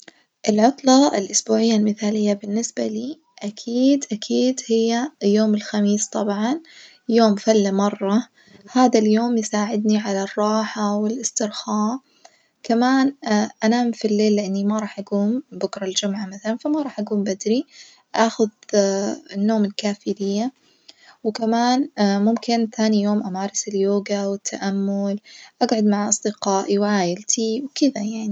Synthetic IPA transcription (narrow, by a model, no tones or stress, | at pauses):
ʔɪlʕʊt̪ˤlɑɪ̰lʔʊsbuːʕɪjːalmɪθaːlɪjːabɪnːɪsbaliː | ʔakʰiːd̪ʔakʰiːd̪hɪjːajːoːmɪlxamiːst̪ˤɑbʕɑn | joːmfalːamɑrˤːɑ | haːd̪aljoːmjsaːʕɪd̪niʕalarˤːɑːħawɪlʔɪst̪ɪɾxɑː | kamaːnʔanamfilːeːlːɪʔɪnːimaɾˤɑːħʔaɡuːmbʊkɾˤɑld͡ʒʊmʕamaθalanfamaɾˤɑːħʔaɡuːmbad̪ɾi | ʔaːxʊð | ɪnːoːmɪlkaːfilɪjːa | wɪkamaːnmʊmkɪnθaːnijoːmʔamaːɾˤɪsɪljoːɡawɪt̪ʰːaʔamːʊlʔaɡʕʊd̪maʕʔɑsˤd̪ɪqɑːʔiwʕaːjɪlt̪ʰiwkɪd̪ajaʕni